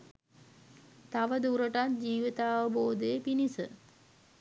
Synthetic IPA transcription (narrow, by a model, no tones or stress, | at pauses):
t̪aʋəd̪uɾəʈat̪̚d͡ʒiːʋit̪aːʋəboːd̪əjəpinisə